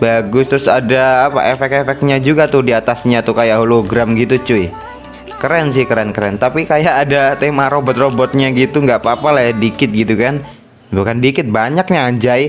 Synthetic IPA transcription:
baɡʊst̪ɾʊsadaːpa̰ʔefɛkefɛk̪̚ɲad͡ʒuɡat̪ʊhdiat̪asɲat̪ukajaʔɦuloɡɾamɡit̪ut͡ʃʊj | kəɾɛns̬ɪhkəɾɛnkəɾɛnt̪apikajaʔːdat̪emaɾobɔt̪̚robɔt̪̚ɲaɡit̪uŋɡaʔpapalajadikɪt̪̚ɡit̪ukan | bukandikɪt̪̚baɲak̚ɲaːɲd͡ʒai

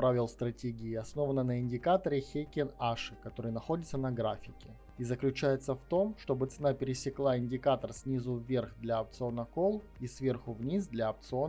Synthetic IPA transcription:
pɾavʲɪlˠst̪ɾɐtʲeɡʲɪːɐsno̞vənənəɪnʲdʲɪkat̪əɾɪxʲekʲɪnaʂɨkɐt̪o̞ɾɨjnɐxo̞dʲɪt̪sənɐɡɾafʲɪkʲɪ | izəklʲʉt͡ɕæjɪt̪səft̪o̞mʂt̪o̞bɨt̪sɨnapʲɪɾʲɪsʲɪklˠaɪnʲdʲɪkat̪ərsʲnʲizʊvʲerxd̪lʲaɐp̚t̪sɨo̞nəko̞lˠisvʲe̞rxʊvnʲisd̪lʲaɐp̚t̪sɨo

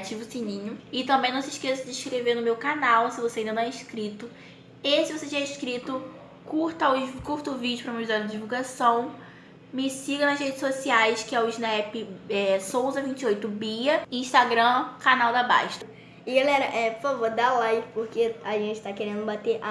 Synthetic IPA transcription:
at͡ʃivʊsinĩɲʊɪt̪ɐ̃bẽj̃nɐ̃w̃sɪiʃkesɐd͡ʒɪiʃkɾeveɾnʊmewkanawsɪvoseɐĩd̪ɐnɐ̃ɛɪʃkɾit̪ʊ | esɪvoset͡ʃĩɛiʃkɾit̪ʊ | kuɾt̪aʊkuɾt̪ɐʊvid͡ʒʊpɾɐũmɐvizɔɾɐdd͡ʒivuwɡasɐ̃w̃ | mɪsiɡɐnɐzhed͡ʒɪsosiajskɪɛʊʒnɛpɪɛsowzɐvĩnt͡ʃɪojt̪ʊbiɐĩʃt̪aɡɾɐ̃kanawd̪aba̰jʃt̪ɐ | ɪɡalɛɾɐʔɛpoɾfavoɾd̪alajvɪpoɾkeaʒẽnt͡ʃɪ̥t̪akeɾẽnd̪ʊbat̪eɾʔa

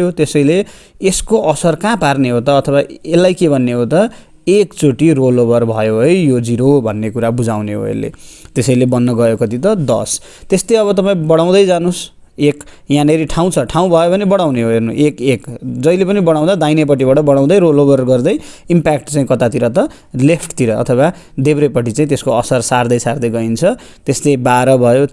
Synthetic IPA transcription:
ɦot̪esʌjleː | skoʔʌsʌrkãparneɦot̪ʌːt̪ʰʌwaelːajkebʱʌnːeɦot̪ʌ | ekt͡soʈiroloβʌrbʱʌjoɦʌjjod͡ziɾobʱʌnːekuɾabud͡zawneɦo̰ḛlːḛt̪esʌjlebʌnːʌɡʌjokʌt̪it̪ʌd̪ʌ̰s | t̪est̪eʌβʌt̪ʌpãĩbʌɽaw̃d̪ʌjd͡zanos | ek | jãneɾiʈʰaw̃t͡sʰʌʈʰaw̃bʱʌjobʱʌnebʌɽaw̃neɦoɦernuʔekekd͡zʌjlepʌnibʌɽãw̃d̪ad̪ajnep̬ʌʈːibaʈʌbʌɽaw̃d̪ʌjɾoloβʌrɡʌrd̪ʌjimpakʈt͡saĩkʌt̪at̪iɾʌt̪ʌ | lepʰʈt̪iɾʌ̰ːt̪ʰʌwa | d̪ebɾepʌʈ̬it͡sãĩt̪eskoʌsʌrsard̪ʌjsard̪ʌjɡʌint͡sʰʌ | t̪est̪ebaɾʌbʱʌjo

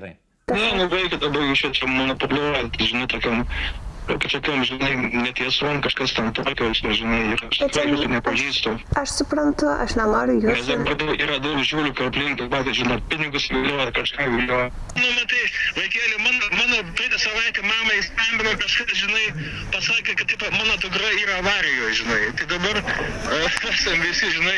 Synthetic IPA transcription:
t̪nɛnʊbɐɪkʲɛd̪ɐbɐt͡ʃʲɛtt͡ʃʲɛmɐnɐpolʲot̪ɪʒʲɪnoːt̪ɐkʲɛm | kɐt͡ʃɐkʲɛmʒʲɪnɐɪnʲɛt̪jɛsonkɐʃkɐst̪ʲɛnt̪ɐːkɐɛt͡ʃʲɪnʲɛʒʲɪnɐɪiɾɐskɾɐkɛt̪ʊnʲɛpɐʒiːst̪oɐʃsʊpɾɐnt̪ʊɐ̰ʃnɐmɐɾʊjuɛd̪ɐbɐd̪ɐʊiːɾɐd̪ɐʊkʒʲuːlʲukɐlpʲlʲɪŋkɐmɐːkɐʒʲɪnoːpʲɪnʲɪɡʊsʋʲilʲoːɐkɐʃkɑːɡʲilʲoɐ | nʊmɐt̪ɐɪʋɐɪkʲæːlʲɪmɑːnmɑːnoːpɐɪt̪ʲɐsɐʋɐɪt̪ʲɛmɑːmɐɪst̪ɐmʲbʲɪnoːkɐʃkɐsʒʲɪnɐɪ | pɐsɑːkʲekɐtt̪ɐɪpɐmɑːnoːt̪ʊkrɐiːɾɐɐʋɑːɾʲɪjoːjʒʲɪnɐɪt̪ɐɪd̪ɐbɐr | pæːsʲɐmʋʲɪsʲɪʒʲɪnɐɪ

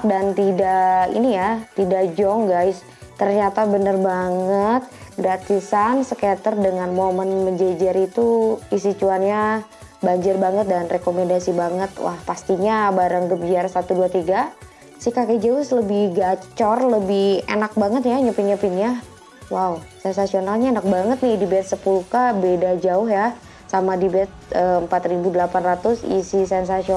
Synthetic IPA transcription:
dant̪idaḭnijat̪idaʔd͡ʒɔŋɡajs | t̪ərɲat̪abənərbaŋət̪̚ɡɾat̪isansəkat̪ərdəŋanmomənməɲd͡ʒed͡ʒaɾit̪uisit͡ʃuanɲa | baɲd͡ʒərbaŋət̪̚danrekomendasibaŋət̪̚wa̰hpast̪iɲabaɾaŋdup̚biarsat̪uduat̪iɡa | sihkaked͡ʒaʊsləbɪhɡat͡ʃɔrləbɪhenak̚baŋət̪jaɲəpinɲapinja | wausɛnsasionalɲaenak̚baŋət̪̚nɪhdibɛt̪̚səpuluhkabedad͡ʒaʊhja | samadibɛt̪̚əəmpat̪ribudəlapanrat̪ʊsḭsisɛns̬asiɔ

